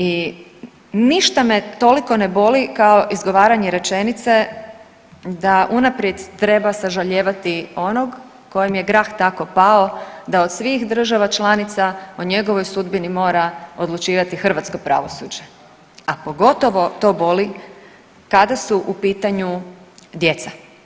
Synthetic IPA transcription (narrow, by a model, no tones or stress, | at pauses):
i | niʃt̪amet̪o̞liko̞ne̞bo̞likao̞ʔizɡo̞ʋaːɾaɲeɾe̞t͡ʃe̞nit̪se̞ | d̪aʔunapɾje̞d̪t̪ɾe̞basaʒaʎeːʋat̪io̞no̞ɡ | ko̞jemje̞ɡɾaːxt̪ako̞pao̞d̪ao̞d̪sʋixd̪r̩ʒaʋat͡ʃlanit̪saoɲe̞ɡo̞ʋo̞jsud̪binimo̞ːɾao̞d̪lˠut͡ʃiːʋat̪ixr̩ʋat̪sko̞pɾa̰ʋo̞sṵd͡ʒe̞ | apo̞ɡo̞t̪o̞ʋo̞t̪o̞ːbo̞li | kad̪asuʔupiːt̪aɲud̪je̞t̪sa